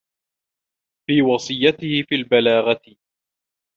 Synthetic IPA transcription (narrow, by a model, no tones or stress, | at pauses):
fiːwɑsˤɨjːat̪ɪhɪfiːlbalaːɣat̪ɪ